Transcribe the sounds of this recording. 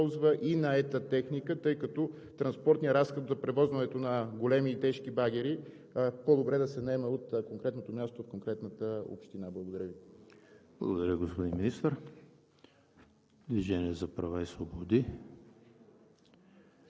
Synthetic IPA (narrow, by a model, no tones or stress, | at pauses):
lˠzvəʔinɐɛt̪ət̪ɛxnikət̪ɤjkɐt̪ɔ | t̪ɾɐnspɔɾt̪nijəɾasxot̪zɐpɾɛvɔzvɐnɛt̪onɐɡolɛmiːt̪ɛʃkibaɡ̟ɛɾi | pod̪obɾɛd̪ɐsɛnɛmɛot̪koŋkɾɛt̪not̪omʲjast̪ofkoŋkɾɛt̪nət̪əo̰pʃt̪inablˠəɡod̪ɐɾʲjəvi | b̥lˠə̰ɡood̪ɐɾʲəɡospod̪inminist̪əɾ | d̪viʒɛnʲiɛzɐpɾɐvaisvobod̪i